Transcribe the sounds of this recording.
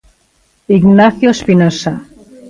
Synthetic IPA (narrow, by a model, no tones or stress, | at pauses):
iɡnaθjoespinasa